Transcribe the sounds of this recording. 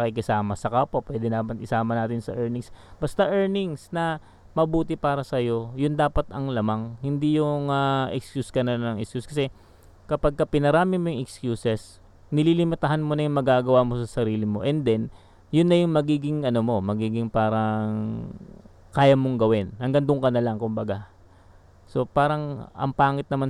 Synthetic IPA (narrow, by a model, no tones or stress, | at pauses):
pɐkikɪsaːmɐsɐkaːpopwɛːd̪ɛnaːmɐnɪsaːmɐnaːt̪ɪnsɐ̰ʔɛɹnɪŋsbɐst̪aʔɛɹnɪŋsnɐ | mɐbuːt̪ɪpaːɾɐsɐjo̞jʊnd̪aːpɐt̪ɐŋlɐmaŋhɪnd̪ijʊŋaʔɛkskjuskɐnɐlnɐŋʔɛkskjuskɐsɛ | kɐpaɡ̚kɐpɪnɐɾaːmɪmojʊŋʔɛkskjuːsɛs | nɪlilɪmɐt̪ɐɦanmonɐjʊŋmɐɡaːɡɐwaːmo̞sɐsɐɾiːlɪmo̞ʔɛnd̪ɛn | jʊnːɐjʊŋmɐɡiːɡɪŋʔɐnomo̞mɐɡiːɡɪŋpaːɾɐŋ | kaːjɐmoŋɡɐwɪnhɐŋɡɐnd̪oŋkɐnɐlaŋkʊmbɐɡa | so̞paːɾɐŋʔɐ̰ŋpaːŋɪt̪̚nɐman